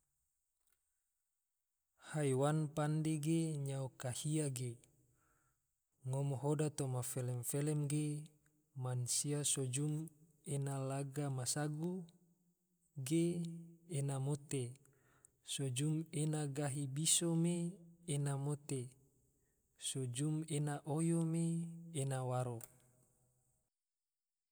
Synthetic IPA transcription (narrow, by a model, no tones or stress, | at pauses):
hajwanpandeɡeɲaokahiaɡe | ŋomoɦodat̪omafelɛmfelɛmɡe | mansiasod͡ʒum | enalaɡamasaɡu | ɡeː | namot̪e | sod͡ʒumenaɡaɦibisomeːnamot̪e | sod͡ʒumenaʔojomeːnawaɾo